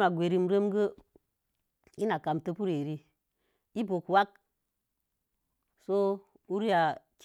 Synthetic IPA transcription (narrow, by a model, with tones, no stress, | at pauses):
ma˨ɡʷe˨ɾi˦m˨ɾə˦mɡə˦ | i˦na˨ka˨mtə˦pu˦ɾe˨ɾi˦ | i˦bo˨kwa˦k̚ | so˦ | u˦ɾi˦a˨t͡ʃ